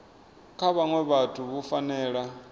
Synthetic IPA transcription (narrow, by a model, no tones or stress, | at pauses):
kʰaβaŋwɛβatʰuβufanɛːɺa